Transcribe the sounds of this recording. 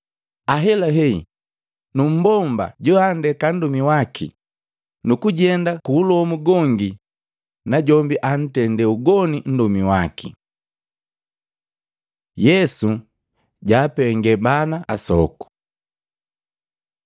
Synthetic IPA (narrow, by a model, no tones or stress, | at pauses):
aɦɛlaɦɛi | num̩bɔmba̰ɟɔandɛkan̩dumiwakʰḭ | nukuɟɛndakuːlɔmuɡɔŋɡi | naɟɔmbiʔan̩tɛndɛuɡɔnin̩dumiwakḭ | jɛsu | ɟaːpɛŋɡɛbanaasɔ̰ku̥